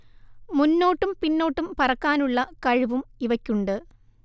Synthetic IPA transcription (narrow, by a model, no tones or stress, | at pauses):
munːo̞ːʈːumpinːo̞ːʈːumpɐrɐkːaːnuɭːɐkɐɻuʋumiʋɐkʲːuɳɖɨ